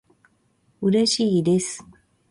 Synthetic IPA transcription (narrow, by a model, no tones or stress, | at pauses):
ɯ̟ɾe̞ɕiːd̪e̞sɨ̥